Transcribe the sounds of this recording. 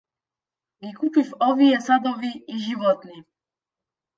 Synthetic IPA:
ʋikupifɔʋiɛsad̪ɔʋiːʒiʋɔt̪ni

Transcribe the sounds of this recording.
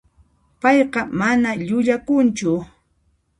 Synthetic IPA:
pɑjqɑmanaʎʊʎakʊnt͡ʃʊ

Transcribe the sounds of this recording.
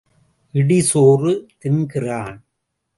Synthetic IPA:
ʔɪɽɪsoːrɯt̪ɪnɡɪraːn

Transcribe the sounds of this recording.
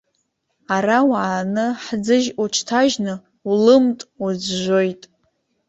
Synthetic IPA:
arawaʕːnɨħd͡zɨʒuʈ͡ʂʰtʰaʒnɨ | ulɨmtʼud͡zʒʷo̞jtʼ

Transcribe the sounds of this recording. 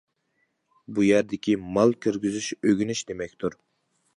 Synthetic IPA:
bujæɾd̪ɪkʲʰimɑlˠkʲʰyɾɡʲyzyʃøɡʲynɪʃd̪emɛkʲt̪ʰuɾ

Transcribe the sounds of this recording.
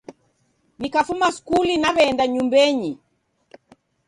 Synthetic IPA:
nikafumaskulinaβɛːndaɲumbɛɲi

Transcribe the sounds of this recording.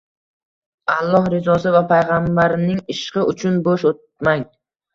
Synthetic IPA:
alˠːɒhɾɪzɒsɪvapʰajʁambaɾnɪŋɪʃqɨʔʊt͡ʃʰʊnboʃot̪̚maŋ

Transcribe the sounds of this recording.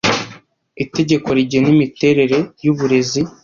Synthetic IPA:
ite̞ɟe̞ko̞ɾiɟenimite̞ɾe̞ɾe̞juβuɾe̞zi

